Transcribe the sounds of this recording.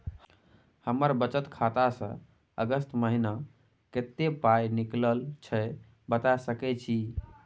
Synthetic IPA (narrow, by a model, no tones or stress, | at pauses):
həməɾbət͡ʃət̪kʰat̪asə̰̃ | ə̰ɡəst̪məɦina | ket̪ːepajnikləlt͡ʃʰɛ | bət̪asəkɛt͡ʃʰi